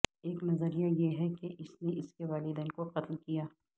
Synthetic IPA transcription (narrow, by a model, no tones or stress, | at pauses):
eːknɐzəɾijajeɦɛkeʔɪsneɪskeʋaːlɪd̪eːnkoqɐt̪lkijaː